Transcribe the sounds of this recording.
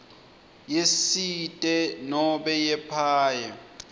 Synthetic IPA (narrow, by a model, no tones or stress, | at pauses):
jesitʼɛnɔbɛjɛpʰaːjɛ